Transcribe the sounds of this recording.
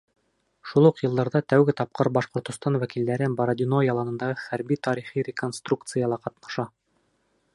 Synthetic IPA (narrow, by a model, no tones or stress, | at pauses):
ʃulˠuqjɤ̆lˠd̪ɑɾðɑt̪æwɡɘt̪ɑp̚qɤɾbɑʃqŏɾt̪ŏst̪ɑnwækild̪æɾɘnboɾɐd̪ʲɪnojɑlˠɑnɤ̆nd̪ɑʁɤχæɾbit̪ɑɾiχiɾʲɪkonst̪rukt̪sɨjɑlˠɑqɑt̪nɑʃɑ